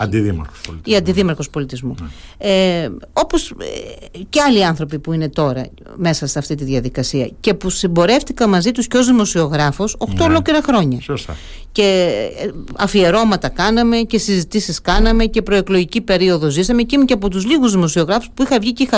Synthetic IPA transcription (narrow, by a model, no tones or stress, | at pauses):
ɐd̪iðimɐ̰ɾxo̥siɐnd̪iðimɐɾxo̞spo̞lit̪izmueo̞pos | ceɐliɐnθɾo̞pipuine̞t̪o̞ɾɐ̰ | me̞sɐseɐft̪it̪iðʝɐðikɐsiɐce̞pusimbo̞ɾe̞ft̪ikɐmɐzit̪usceozðimo̞sio̞ɣɾɐfoso̞xtt̪o̞lo̞kliɾɐxɾo̞ɲɐ | ce̞ | ɐfie̞ɾo̞mɐt̪ɐkɐnɐme̞cesizit̪isiskɐnɐme̞ce̞pɾo̞eklo̞ʝicipe̞ɾio̞ðo̞zisɐmecimuceɐp̬o̞t̪uzliɣuzðimo̞sio̞ɣɾɐfu̥spuixɐvʝicixɐ